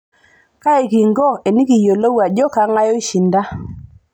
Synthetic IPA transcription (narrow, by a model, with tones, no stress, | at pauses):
ka˦e˨ki˨ŋɡɔ˦e˨ni˦ki˨jo˨lo˦wa˨d͡ʒɔ˦ka˦ŋa˦jɔ˦i˦ʃi˨nda˦